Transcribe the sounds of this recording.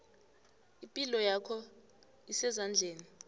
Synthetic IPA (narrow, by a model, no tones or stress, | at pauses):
ipʼilɔjakʰɔ | isɛzand͡ɮʱeːni